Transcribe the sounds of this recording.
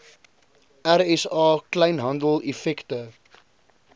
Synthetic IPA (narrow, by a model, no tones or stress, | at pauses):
ʔæɾɛsɑːklɐjnɦɐndəlˠɛfɛktə